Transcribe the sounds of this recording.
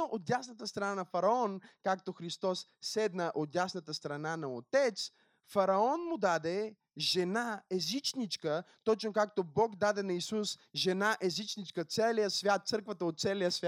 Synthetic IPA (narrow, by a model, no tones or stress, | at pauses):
oʔot̪̚jasnət̪əst̪ɾɐnanɐfɐɾɐɔnkakt̪oxɾist̪ɔssɛd̪nəʔot̪̚jasnət̪əst̪ɾɐnanɐot̪ɛt̪s | fɐɾɐɔnmʊd̪ad̪ɛ | ʒɛnaɛzit͡ʃnit͡ʃkət̪ɔt͡ʃnokakt̪obɔkd̪ad̪ɛnɐisusʒɛnaʔɛzit͡ʃnit͡ʃkət̪sɛlijəsvʲjat̪̚t̪sɤɾkvət̪əot̪̚sɛlijəsvʲa